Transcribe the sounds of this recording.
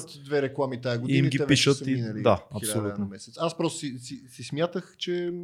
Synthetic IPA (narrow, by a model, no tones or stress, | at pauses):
t̪d̪vɛɾɛklˠamit̪ajəɡʊd̪iimɡʲiɛvpiʃət̪iinɐlid̪aɐsolʲut̪nomɛsɛt̪saspɾɔst̪ʊ̥sisisismʲjat̪əxt͡ʃɛ